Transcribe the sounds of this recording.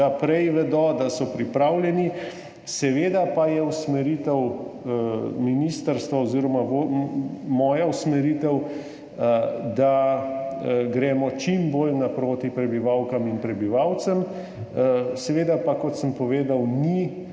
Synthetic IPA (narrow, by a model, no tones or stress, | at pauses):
apɾɛjʋɛd̪ɔd̪asɔpɾipɾaːwljɛni | sɛʋeːd̪apajɛusmɛɾit̪ɛw | minist̪əɾst̪ʋaɔziːɾɔmaʋo | mɔːjausmɛɾiːt̪ɛw | d̪a | ɡɾɛːmɔt͡ʃimboːlnapɾoːt̪ipɾɛbiʋawkaminpɾɛbiʋaːwt̪səm | sɛʋeːd̪apakɔt̪səmpɔʋeːd̪awni